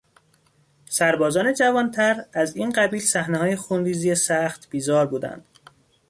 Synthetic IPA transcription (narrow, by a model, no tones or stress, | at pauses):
sæɾbɒːzɒːne̞d͡ʒævɒːnt̪ʰæɾæziːnɢæbiːlsæhneɦɒːjexunɾiːziːjesæxt̪b̥iːzɒːɾbuːd̪æ̰nd̪̥